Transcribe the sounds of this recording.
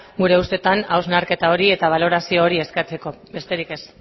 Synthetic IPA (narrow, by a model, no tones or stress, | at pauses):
ɡuɾe̞ust̪e̞t̪anawznaɾke̞t̪ao̞ɾie̞t̪aβ̞alo̞ɾasio̞ːɾie̞skat͡se̞ko̞be̞st̪e̞ɾike̞s